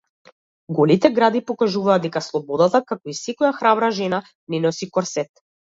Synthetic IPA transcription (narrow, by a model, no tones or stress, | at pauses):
ɡɔlit̪ɛɡɾad̪ipɔkaʒuvaːd̪d̪ɛkaslˠɔbɔd̪at̪akakɔisɛkɔjaxɾabɾaʒɛna | nɛnɔsikɔɾsɛt̪